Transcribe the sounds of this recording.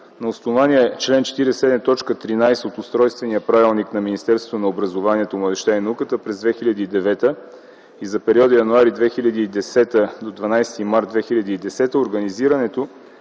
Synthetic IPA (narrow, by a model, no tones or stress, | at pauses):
nɐosnovaniɛt͡ʃlɛnt͡ʃɛ̥t̪iɾɛsɛd̪nət̪ɔt͡ʃkət̪ɾinajsɛot̪ʊst̪ɾɔjst̪vɛnijəpɾavilˠniknɐminist̪ɛɾst̪ot̪onɐobɾɐzovaniɛt̪omɐd̪ɛʃt̪ainɐukət̪əpɾɛzd̪vɛxiʎʲɐd̪iːd̪ɛvɛt̪ə | izɐpɛɾiɔd̪əjɐnuaɾid̪vɛxilʲɐd̪iːd̪ɛsɛt̪əd̪od̪vɐnajst̪imaɾt̪vɛxilʲɐd̪iːd̪ɛsɛt̪əoɾɡɐniziɾɐnɛt̪o